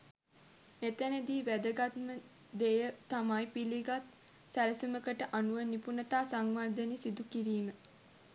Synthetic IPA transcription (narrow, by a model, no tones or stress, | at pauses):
met̪əned̪iːʋæd̪əɡat̪mə | d̪ejət̪amajpiliɡat̪ | sæɾəsuməkəʈəʔanuʋənipunət̪aːsaŋʋand̪ənesid̪ukiɾiːmə